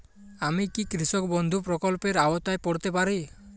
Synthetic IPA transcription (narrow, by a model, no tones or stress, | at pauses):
amikikɾisɔkbɔnd̪ʱupɾɔkɔlpeɾawɔt̪ajpɔɽt̪epaɾi